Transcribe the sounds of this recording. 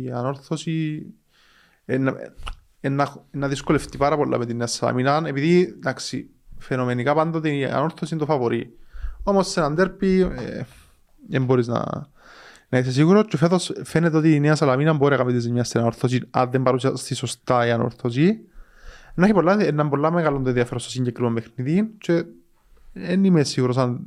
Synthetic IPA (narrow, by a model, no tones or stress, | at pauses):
iano̞ɾθosi | enːa̰ | enːaenːɐðiskoleft̪ipaɾɐpolːa̰met̪inːeasɐla̰minɐnepiðid̪aksḭ | fenomenikapand̪ot̪ia̰no̞ɾθosind̪ofavoɾiomost̪enand̪eɾpiḛ | emboɾiznɐ̰ | nɐis̬es̬iɣuɾot͡ʃefeðo̞sfenːet̪eo̞t̪ineɐsalɐminɐmboɾiɐkamit̪iz̬iɲɲast̪inanoɾθos̬inɐ̰ðːembɐɾus̬ast̪isost̪aiano̰ɾθos̬i | nːeçipolːaenːɐmbolːameɣalond̪onðjɐfeɾost̪osiɲɟekɾimembexniðint͡ʃe | enimesiɣuɾos̬an